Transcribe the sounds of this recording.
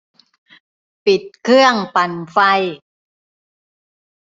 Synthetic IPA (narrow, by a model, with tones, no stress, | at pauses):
pi˨˩t̪̚kʰɯ˥˩əŋpa˨˩nfa˧j